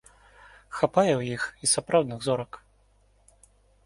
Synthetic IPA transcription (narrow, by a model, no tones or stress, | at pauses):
xapajɛwjixisapɾawd̪nɨɣzɔɾɐk